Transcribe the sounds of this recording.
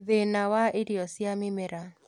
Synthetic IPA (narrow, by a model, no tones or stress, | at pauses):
ðenawaʔɪɾiɔsjamɪmeɾa